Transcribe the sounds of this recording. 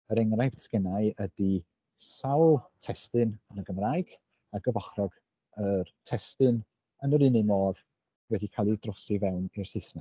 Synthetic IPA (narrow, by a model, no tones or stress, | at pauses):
əɾɛŋrajðskɛnajədi | sawlˠtʰɛstɨnənəɡəmraːjɡ̥ | aɡ̥əvɔχrɔɡ̥ | ərtʰɛstɨn | ənəɾɨnɨmoːð | wɛdikʰalˠidrɔsivɛwnɪrsɪsnɛ